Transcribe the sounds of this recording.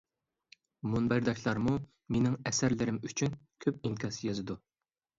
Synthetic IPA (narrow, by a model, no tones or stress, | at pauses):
munbæɾd̪ɛkʲʰlˠɑɾmu | menɪŋɛsæɾlɪɾɪmyt͡ʃʰynkʲʰøp̚iŋkʰʲɑsjɑzɨd̪u